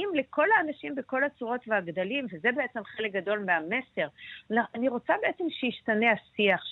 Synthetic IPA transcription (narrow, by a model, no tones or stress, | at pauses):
imle̞ko̞laːnaʃimbe̞ko̞lat͡suʁo̞tveaɡd̪alimvezebeet͡semχelek̚ɡado̞lmeame̞se̞ʁnaaniʁo̞t͡sabe̞ʔet͡se̞mʃejiʃtaneasiaχ